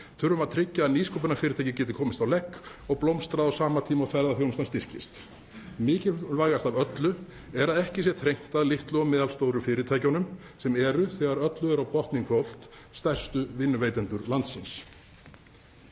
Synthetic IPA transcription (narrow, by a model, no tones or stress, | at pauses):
θʰʏɾʏmaðt̪ʰɾɪcːaːðniːskʰowp̬ʏnaɾfɪːɾɪt̪ʰajcɪcɛːt̪ɪ̥kʰɔːmɪst̪awlɛkː | ɔɣplowmst̪ɾaðawsaːmat̪ʰiːmawfɛɾðaθjownst̪anst̪ɪr̥cɪst̪ | mɪːcɪvajɣast̪avœt̪lʏ | ɛɾaðɛhcɪs̬jɛt̪ʰɾejŋ̥t̪aðlɪht̪lʏɔmɛːðalst̪oːwɾʏfɪːɾɪt̪ʰaːjcanʏm | sɛmɛɾʏθɛɣaɾœt̪lʏɛɾawpʰɔht̪niŋkʰfɔl̥t̪ | st̪ɛr̥st̪ʏvɪnːʏveːjt̪ɛnt̪ʏɾlant̪sɪns